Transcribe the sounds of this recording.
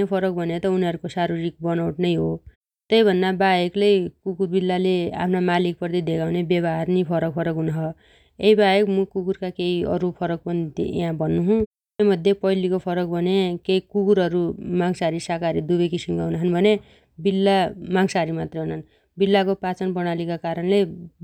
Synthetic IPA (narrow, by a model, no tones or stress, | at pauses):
epʰʌɾʌk̚bʱʌnet̪ʌuniɦʌɾukosaɾuɾik̚bʌnawʈnʌjɦo | t̪ʌjbʱʌnːabaeklejkukurbilːalea̰pʰnamalik̚pʌrt̪id̪ʱeɡawnebjʌbaarnipʰʌɾʌk̚pʰʌɾʌkɦunɦʌ | eɦibajekmʌkukurkakeiʌ̰ɾupʰʌɾʌk̚pʌnit̪iḛɦãbʱʌnːuɦũ | emʌd̪ʱjepʌilikopʰʌɾʌk̚bʱʌnekeikukuɾɦʌɾumaŋsaɾisakaɾid̪ubʌjkisimkaɦunaɦʌnbʱʌne | bilːamaŋsaɾimat̪rʌɦunan | bilːakopat͡sʌnpʌɽ̃alikakaɾʌnle